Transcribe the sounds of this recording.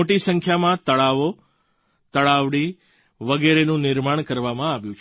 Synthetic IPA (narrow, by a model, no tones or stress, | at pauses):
oʈisə̃ŋkʰjamãt̪əɭaʋo | t̪əɭaʋɽi | ʋəɡɛɾenũnɪɾmaɽ̃kəɾʋamãːʋjũt͡ʃʰ